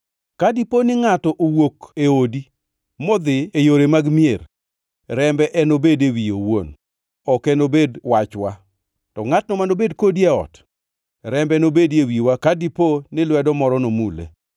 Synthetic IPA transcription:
kadiponɪŋatɔʔowokeodi | mɔd̪ɪejoɾemaɡmier | ɾɛmbɛʔɛnobedewijowo̰n | ɔkɛnobedwat͡ʃwa | tɔŋatnɔmanobedkodieɔ̰t | ɾɛmbɛnobedewiwakadiponɪlwɛdɔmɔɾɔnomulḛ

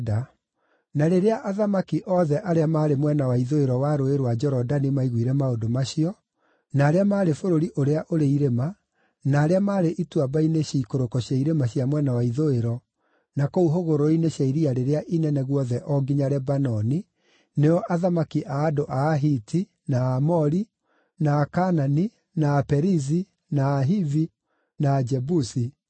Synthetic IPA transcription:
da | naɾeɾeaʔaðamakiʔɔðɛʔaɾeamaːɾemwɛnawaiðoeɾɔwaɾoeɾwad͡ʒɔɾɔdanimaiɣwiɾɛmaodomaɕiɔ | naːɾeamaːɾefoɾoɾiʔoɾeaʔoɾeiɾema | naːɾeamaːɾeʔitwabaineɕiikoɾokɔɕjaiɾemaɕjamwɛnawaiðoeɾɔ | nakouɦoɣoɾoineɕaiɾiaɾeɾeaʔinɛnɛɣwɔðɛʔɔɡiɲaɾɛbanɔni | neɔʔaðamakiʔaːdoʔaːɦiti | naːmɔɾi | naːkanani | naːpɛɾizi | naːɦivi | naːd͡ʒɛbusi

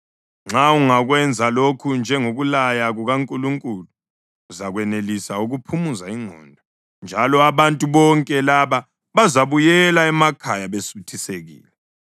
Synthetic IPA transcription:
ŋ͡ǁauŋaɣwɛnd͡zʱalokʰund͡ʒʱɛŋoɣulajaɣuɣaŋkʼuluŋkʼuluː | zaɣwɛnelisauɣupʰumuzaiŋ͡ǀʱɔ̰ːndʱɔ | nd͡ʒʱalɔaβantʼuβɔŋkʼɛlaβa | βazaβujɛlaɛmakʰajaβesutʰiseɣḭːlɛ

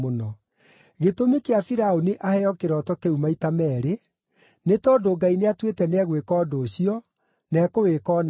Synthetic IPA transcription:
onɔ | ɣetomekeafiɾaoneʔahɛɔkeɾɔtɔkeumaitamɛːɾe | netɔdoɡaineatwetɛnɛɣwekɔːdoːɕiɔ | nɛːkowekɔːn

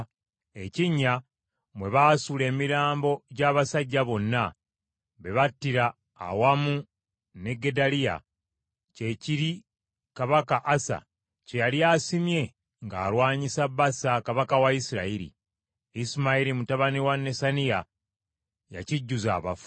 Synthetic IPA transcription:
e̞ciɲːa | mwe̞βaːsule̞ːmiɾaːmbo̞ɟaːβasaɟːaβo̞nːa | βe̞βatːiɾa̰ː | wamu | ne̞ɡe̞dalija̰ | ce̞ciɾi | kaβakaʔːsa̰ | ce̞jaliaːsimje̞ | ŋɡa̰ːɾwaːɲisabːasakaβakawaisiɾa̰iɾḭ | isimaiɾimutaβaniwanːe̞sanija | ja̰ciɟːuza̰ːβafu̥

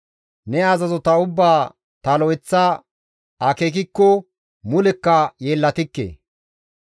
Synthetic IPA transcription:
nɛazɐzɔt̪ɐʊbːaː | t̪ɐlɔɛt͡sːa | ɐkeːk̬ɪkːɔ | mʊlɛkːɐjeːlːɐt̪ɪkːḛː

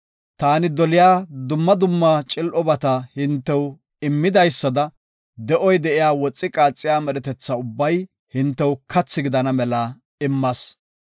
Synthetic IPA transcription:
t̪aːnɪd̪ɔlɪjaːd̪ʊmːɐd̪ʊmːat͡ʃʼɪlʔɔbɐt̪ɐhɪnt̪ːɛw | ɪmːɪd̪ɐjsːɐd̪ɐ | d̪ɛʔɔjd̪ɛʔɪjaːwɔt͡sʼːɪkʼaːt͡sʼːɪjaːmɛɾɛt̪ɛt͡sːɐʊbːɐj | hɪnt̪ːɛwkʰɐt͡sːɪɡɪd̪ɐnɐmɛlɐ | ɪmːɐs

